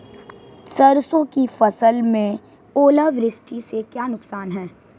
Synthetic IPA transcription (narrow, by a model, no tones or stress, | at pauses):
sɐɾsõkifɐsəlmẽ | oːlaʋɾɪsʈisekjaːnʊksaːnɦɛː